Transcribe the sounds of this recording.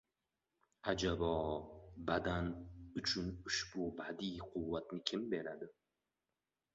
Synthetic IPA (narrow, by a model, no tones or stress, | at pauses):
ad͡ʒabɒbad̪anʊt͡ʃʰʊnʊʃbʊbad̪iqʰʊwːat̪nɪkʲʰɪmbe̞ɾad̪ɪ